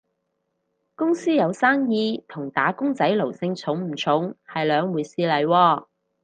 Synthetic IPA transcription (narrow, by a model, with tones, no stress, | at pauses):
kʊ˥ŋsiː˥jɐ˨˧wsaː˥ŋjiː˧t̪ʰʊ˨˩ŋt̪aː˨˥kʊ˥ŋt͡sɐ˨˥jlo˨˩wsɪ˧ŋt͡sʰʊ˨˥ŋm̩˨˩t͡sʰʊ˨˥ŋhɐ˨jlœː˨˧ŋwuː˨˧jsiː˧lɐ˨jwɔː˧